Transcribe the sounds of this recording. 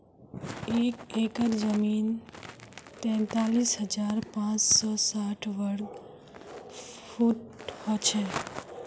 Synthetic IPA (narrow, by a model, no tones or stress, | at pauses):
ekekəɾd͡ʒəmiːn | t̪ɛ̃ːnt̪alisɦəd͡ʒaɾpãt͡ʃsɔsaʈʰʋəɾɡ | pʰuʈhɔt͡ʃʰe